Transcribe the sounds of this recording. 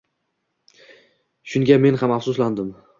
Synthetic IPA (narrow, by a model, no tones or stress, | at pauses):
ʃʊŋɡʲame̞nhamafsʊsland̪ɪm